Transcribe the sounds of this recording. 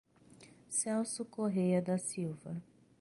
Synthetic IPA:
sɛwsukoɦejɐd̪ɐsiwvɐ

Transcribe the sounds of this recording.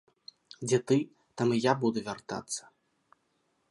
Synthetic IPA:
d͡zʲɛt̪ɨ | t̪amɨjabud̪uvʲart̪a̰t̪sːɐ̥

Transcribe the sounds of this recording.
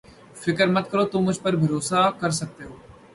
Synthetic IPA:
fɪkəɾmɐt̪̚kəɾoːt̪ʊmːʊd͡ʒʱpəɾbʱɐɾoːsakɐɾsɐk̚t̪eɦoː

